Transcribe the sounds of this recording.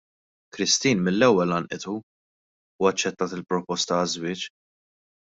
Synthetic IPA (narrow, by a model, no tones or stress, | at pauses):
kɾɪst̪iːnmɪlːɛwːɛlɐnʔɪt̪u | uːɐt͡ʃːɛt̪ːɐːt̪ɪlpɾɔpɔst̪ɐɐzwɪːt͡ʃ